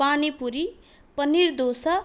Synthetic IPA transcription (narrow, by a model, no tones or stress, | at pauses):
anipuɾi | pʌniɾd̪osʌ